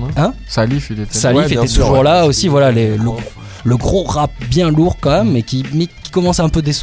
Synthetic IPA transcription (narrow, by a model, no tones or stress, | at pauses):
ɛ̃ | salifilet̪salifet̪ɛt̪uʒuʁlaosivwalaleləɡo | ləɡʁoʁap̚bjɛ̃luʁkɑ̃mɛmmekʲimɛkʲi̥kɔmɑ̃sɛ̃pød̪es